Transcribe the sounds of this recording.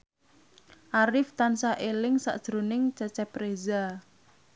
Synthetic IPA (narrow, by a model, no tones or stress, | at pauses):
ʔaɾɪft̪ansaʔelɪŋsa̰ʔd̥ʒ̥ɾonɪŋt͡ʃət͡ʃɛpɾeza